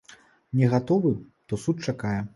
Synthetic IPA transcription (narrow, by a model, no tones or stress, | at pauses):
nʲɛɣat̪ɔvɨt̪ɔsut̪̚t͡ʂakajɛ